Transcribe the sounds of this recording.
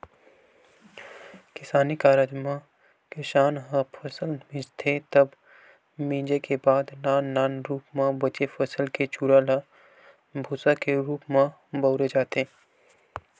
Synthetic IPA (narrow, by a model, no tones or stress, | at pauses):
kɪsaːnikaːɾaːd͡ʒmã | keʃaːnɦãpʰəsəlmɪ̃d͡ʒt̪ʰet̪əb | mĩːd͡ʒekebaːd̪naːnːaːnɾuːpmãbət͡ʃepʰəsəlket͡ʃuːɾaːla | bʱʊːsakeɾuːpmã | bəːɾed͡ʒaːt̪e